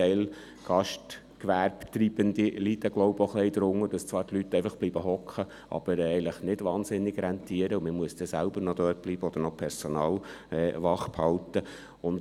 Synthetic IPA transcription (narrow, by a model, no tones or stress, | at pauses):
ɛɪl | ɡ̥ɑʃt | kʋæɾpt̪ɾiːb̥ənd̪ilid̪əɡloʊboχlɛɪd̥̪əɾʊŋːəd̥ɑst͡sʋɑːɾtlyt̪ːɛɪfɑχb̥liːbəɦɔkχə | ʔɑ̰b̥əɾɛɪləχnɪdʋɑːnzɪnːɪɡɾɛnt̪iəɾəuməmuəsd̥̪ɛsælbəɾnɔd̪øːt̚b̥liːbəɔd̥̪əɾnɔpʰɛɾsɔnɑːlɛːʋɑχphɑlt̪ə | ʊnd